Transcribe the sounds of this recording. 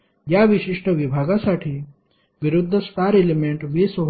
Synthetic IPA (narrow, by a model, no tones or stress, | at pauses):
jaʋiʃiʂʈəʋibʱaːɡasaʈʰiː | ʋiɾud̪ʱːəst̪aːɾelimeɳʈʋisʋəb